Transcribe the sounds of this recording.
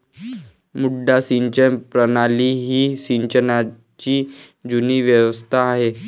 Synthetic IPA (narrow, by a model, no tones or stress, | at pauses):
muɖːasiɲt͡ɕənpɾənaliːɦiːsiɲt͡ɕəna | t͡ɕiː | d͡ʑuniːʋjəʋəst̪ʰaːɦe